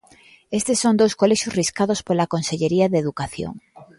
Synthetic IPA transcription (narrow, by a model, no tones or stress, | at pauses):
est̪esːond̪owskoleʃjosriskaðospolakonseʎeɾiaðeðukaθjo̰ŋ